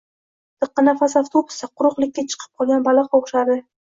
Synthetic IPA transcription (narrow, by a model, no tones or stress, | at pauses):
t̪ʰɨqːɑnafasaft̪ʰobʊ̥saqʰʊɾʊχlˠɪkʲːat͡ʃʰɨ̥qʰɨ̥p̚qʰɒlˠɡʲanbalaqɒʁʃad̪ɪ